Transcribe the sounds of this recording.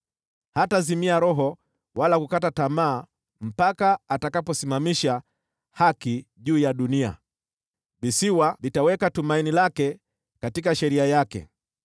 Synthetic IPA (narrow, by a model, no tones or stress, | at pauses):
hatazimiaɾɔɦɔ | walakukatatamaː | m̩pakaatakapɔsimamiʃa | hakiʄuːjaɗunia̰ | visiwavitawɛkatumainilakɛ | katikaʃɛɾiajakɛ̰